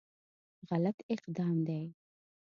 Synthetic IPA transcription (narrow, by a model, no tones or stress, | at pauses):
ɣalat̪ɪqd̪ɑːmd̪aj